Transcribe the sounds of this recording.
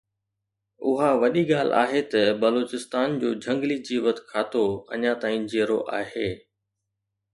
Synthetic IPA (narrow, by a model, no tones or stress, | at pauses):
ʊɦaʋɐɗiɠaːl̤a̰ːɦet̪ɐbɐloːt͡ɕɪst̪aːnd͡ʑoːd͡ʑʱɐ̃ŋɡlid͡ʑiːʋət̪kʰaːt̪oɐ̰ɲãt̪aːĩd͡ʑeːɾo̰ʔaːɦeː